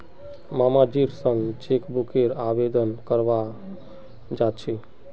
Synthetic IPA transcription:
mamad͡ʒiɾsəŋɡt͡ʃekbukeɾabed̪ənkəɾʋa | d͡ʒat̪t͡ʃʰi

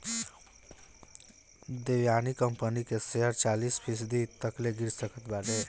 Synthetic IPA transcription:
d̪eʋjanikəmpənikeseɦəɾt͡ʃalispʰisd̪it̪əkleɡiɾsəkʰət̪baʈe

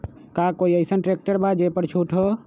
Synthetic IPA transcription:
kakoiəisənʈɾek̚ʈəɾbad͡ʒepəɾt͡ʃʰuʈʰɦo

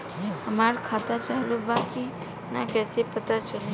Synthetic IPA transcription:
əmaɾkʰat̪at͡ʃalubaki | nakɛsepət̪at͡ʃʰe

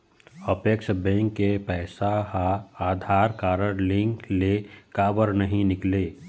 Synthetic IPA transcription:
əpəkʃbɛ̃ːŋkːepɛːsaɦaaːd̪ʱaːɾkaːɾəɽlɪ̃ŋklekaːbəɾnəɦĩnɪkleː

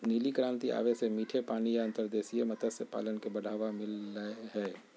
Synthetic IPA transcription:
niːlikɾãːnt̪ia̰ːʋesemiːʈʰepaːnijaɐ̃nt̪əɾd̪eːsijemɐt̪əsepa̰ːlənkebɐɽ̤ʱaːʋamɪlːəeɦɛː

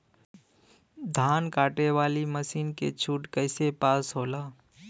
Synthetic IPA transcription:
d̪ʱaːnkaːʈeʋaːliməsiːnkḛt͡ʃʰuːʈkəɪsepaːsɦoːlaː

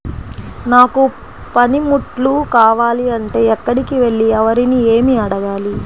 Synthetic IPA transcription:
naːku | pɐnimuʈlukaːʋaːliɐɳʈe̞ːɛkːɐɽikiʋe̞ɭːiɛʋɐɾinieːmiɐɽɐɡaːli

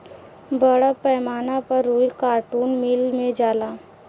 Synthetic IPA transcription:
bəɽəpɛːmaːnapɐɾːuːikaːɾʈuːnmilmẽd͡ʒaːlaː

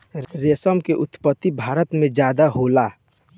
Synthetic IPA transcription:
ɾesəmkeʔut̪pət̪ːibʱaɾət̪mẽd͡ʒjad̪aɦola

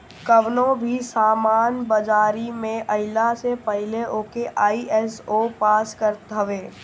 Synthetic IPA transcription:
kəʋnõbʱisaːmaːnbɐd͡ʒaːɾimẽʔɐɦɪlasepəɦɪleʔoːkeʔaːiʔɛsoːpaːskəɾt̪əʋeː

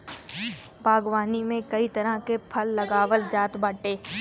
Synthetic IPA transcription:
bʱaːɡwaːnimẽkɐit̪ɐɾəkepʰɐlːɐɡaːwəld͡ʒaːt̪baːʈeː

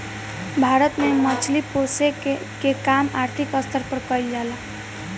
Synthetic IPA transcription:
bʱaɾət̪memət͡ʃʰlipose | kekamaɾt̪ʰikəst̪ʰəɾpəɾkəild͡ʒala

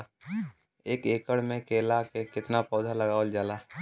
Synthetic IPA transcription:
eːkeːkəɽmẽkeːlakekɪt̪napɔːd̪ʱaləɡaːʋəld͡ʒaːlaː

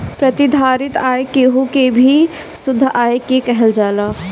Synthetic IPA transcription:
pɾət̪ɪd̪ʱaːɾɪt̪ajkeɦukebʱi | sʊd̪ʱːʔaːjkekɛɦɛld͡ʒaːla

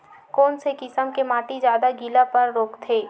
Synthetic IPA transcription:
kɔːnsekɪsəmkemaːʈid͡ʒjaːd̪aɡilapɐɾːoːkt̪ʰeː

